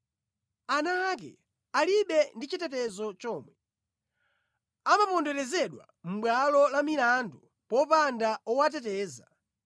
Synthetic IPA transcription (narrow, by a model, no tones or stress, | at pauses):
anaːk̬ɛ̰ | aliɓɛndit͡ʃitɛtɛzɔt͡ʃɔːmwɛ | amapɔndɛlɛzɛɗwa̰ | m̩ɓwalɔlamilandɔ | pɔpandaɔwat̬ɛtɛːza